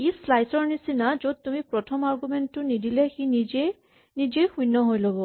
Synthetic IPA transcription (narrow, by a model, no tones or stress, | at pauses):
eslajsɔɹnisinazod̚tumipɹɔtʰɔmaɹɡumɛntːʊnidilɛxinize | nizejxujnːɔɦojlobɔ